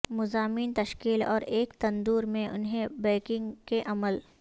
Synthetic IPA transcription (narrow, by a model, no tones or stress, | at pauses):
mʊzaːmiːnt̪ɐʃkiːlɔ̰ːɾeːkt̪ɐ̃nd̪uːɾmẽʔʊ̰nɦẽbɛːkɪ̃ŋɡkeʔɐməl